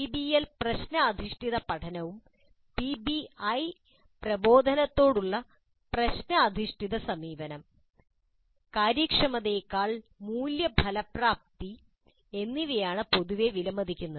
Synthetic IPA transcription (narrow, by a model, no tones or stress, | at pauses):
ibielprɐɕnɐɐd̪ʱiʂʈiðɐpɐʈʰɐnɐʋum | pibiɐj | prɐbo̞ːd̪ʱɐnɐt̪ːo̞ːɽuɭːɐ | prɐɕnɐːd̪ʱiʂʈiðɐsɐmiːʋɐnɐm | kaːɾjikʂɐmɐðeːkːaːɭmuːljɐbʱɐlɐpraːp̚t̪i | e̞nːiʋejaːɳɨpo̞ðuʋe̞ʋilɐmɐd̪ʱikʲːunːɐ